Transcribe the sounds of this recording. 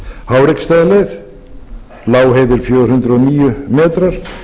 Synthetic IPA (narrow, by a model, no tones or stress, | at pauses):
haːwɾekst̪ajðaleð | laːwɦejðɪɾ̥fjœːðʏɾhʏnt̪ɾʏɔniːjʏmɛːt̪ɾaɾ̥